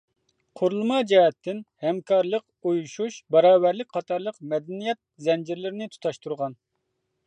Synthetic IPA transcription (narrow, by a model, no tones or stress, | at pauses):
qʰoɾlˠumɑd͡ʒɛɦɛt̪ʰːɪnhɛmkʰɑɾlˠəq | ujuʃuʃbɑɾɑːvæɾlɪk̚ʲqʰɑt̪ʰɑɾlˠəqmɛd̪ɛnijɛt̪̚zɛnd͡ʒiɾlɪɾɪnɪt̪ʰu̥t̪ʰɑʃt̪ʰuɾʁɑn